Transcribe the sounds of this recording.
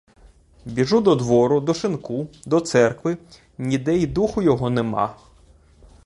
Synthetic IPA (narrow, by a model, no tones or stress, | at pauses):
bʲiʒud̪ɔd̪ʋɔɾʊd̪ɔʃɪnkud̪ɔt̪sɛrkʋɪ | nʲid̪ɛid̪uxʊjɔɦɔnemɑ̰